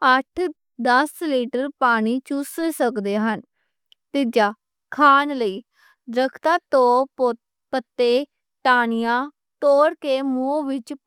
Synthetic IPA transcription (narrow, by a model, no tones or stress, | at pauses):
əʈʰ | d̪əsliːʈəɾpaːɽ̃iːt͡ʃʊssəkd̪eːɦən | t̪ɪd͡ʒaː | kʰaːnləiː | ɾəkʰt̪ãːt̪õː | pət̪ːeː | ʈaːnɪjãː | t̪oːɾkeːmũːʋɪt͡ʃ